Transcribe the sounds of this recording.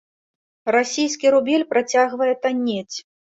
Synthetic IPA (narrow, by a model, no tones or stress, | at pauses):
rasʲijskʲiɾubʲelʲpɾat͡sʲaɣvɐjɛt̪anʲːɛt͡sʲ